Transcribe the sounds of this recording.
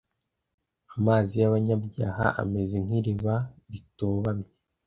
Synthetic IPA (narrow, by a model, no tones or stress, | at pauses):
amaːzijaβaɲabɟaːha̰ʔa̰me̞zeŋ̥hiɾiβaɾitoːβamɲe